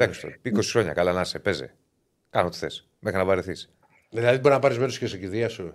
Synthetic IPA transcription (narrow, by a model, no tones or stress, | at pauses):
ðekst̪oikosi̥xɾoɲɐ̰kalanɐsepezḛ | kɐnot̪i̥θḛs | mexɾinɐvɐɾeθis | ðilaðit̪boɾnapaɾezmeɾosikesekiðiɐsu